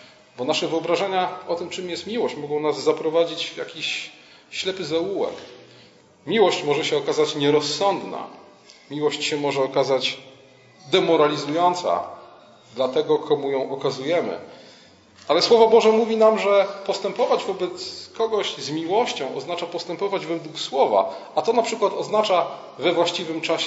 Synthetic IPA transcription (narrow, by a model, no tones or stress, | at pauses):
bɔnaʂɛvɘɔbɾaʐɛɲaɔt̪ɘmt͡ʂɘmjɛst̪mʲiwɔɕt͡ɕmɔɡɔ̃w̃nazːapɾɔvad͡ʑit͡ɕvja̰kʲiɕː | lɛpɘzawuwɛ̰k | mʲiwɔɕt͡ɕmɔʐɛɕɛɔkazat͡ɕɲɛɾɔsːɔnd̪na̰ | mʲiwɔɕt͡ɕɕɛmɔʐɛɔkazat͡ɕ | d̪ɛmɔɾalʲizujɔnt̪sa̰ | d̪lat̪ɛɡɔkʰɔmujɔ̃w̃ʔɔkazujɛmɘ̰ | alɛswɔvɔbɔʐɛmuvʲinamʐɛpɔst̪ɛmpɔvad͡ʑvɔbɛt̪skɔɡɔɕzmʲiwɔɕt͡ɕɔ̃w̃ʔɔ̰znat͡ʂapɔst̪ɛmpɔvad͡ʑvɛd̪wukswɔva̰at̪ɔnapʂɘkwat̪ɔznat͡ʂa | vɛvwaɕt͡ɕivɘmt͡ʂaɕ